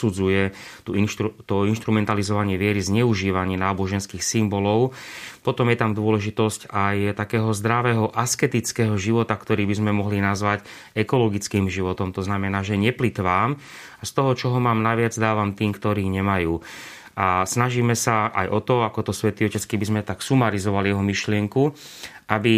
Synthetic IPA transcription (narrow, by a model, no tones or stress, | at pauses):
ud͡zujɛt̪unʃt̪ut̪ɔinʃt̪ɾumɛnt̪alizɔʋaɲɪɛʋɪɛɾizɲɛuʒiːʋaɲɪɛnaːbɔʒɛnskiːxsimbɔlɔʊpɔt̪ɔmjɛt̪amd̪ʊɔlɛʒit̪ɔscajt̪akɛːɦɔzd̪ɾaʋɛːɦɔʔaskɛt̪it͡skɛːɦɔʒiʋɔt̪akt̪ɔɾiːbizmɛmɔɦlinazʋac | ɛkɔlɔɡit͡skiːmʒiʋɔt̪ɔmt̪ɔznamɛnaːʒɛɲɛplit̪ʋaːm | ast̪ɔɦɔt͡ʃɔɦɔmaːmnaʋɪad͡zd̪aːʋamt̪iːmkt̪ɔɾiːɲɛmajuː | ʔasnaʒiːmɛsaa̰jʔɔt̪ɔakɔt̪ɔsʋɛt̪iɔcɛt͡skibizmɛt̪aksumaɾizɔʋalijɛɦɔmiʃlɪɛŋku | ʔabi